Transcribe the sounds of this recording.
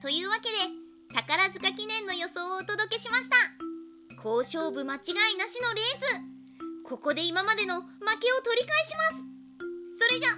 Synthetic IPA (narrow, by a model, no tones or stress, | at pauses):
t̪o̞jɯ̟ːβake̞d̪e̞ | t̪akaɾazɨkakʲinẽ̞nːo̞jo̞so̞ːt̪o̞d̪o̞ke̞ɕimaɕi̥t̪a | kʰo̞ːɕo̞ːbɯ̟mat͡ɕiɡainaɕino̞ɾe̞ːzɨ | kʰo̞ko̞d̪e̞imamad̪e̞no̞make̞o̞t̪o̞ɾʲikaeɕimasɨ̥ | so̞ɾe̞ʑa